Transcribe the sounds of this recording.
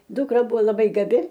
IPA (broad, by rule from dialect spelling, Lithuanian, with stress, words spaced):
ˈdʊkrɐ ˈbʊʋoː lˠɐˈbɐɪ ɡɐˈbʲɪ